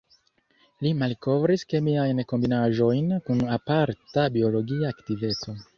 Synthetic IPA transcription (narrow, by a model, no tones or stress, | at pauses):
limalko̞vɾiske̞miajnko̞mbinaʒo̞jnkunapaɾtabio̞lo̞ɡiaːktive̞t͡so̞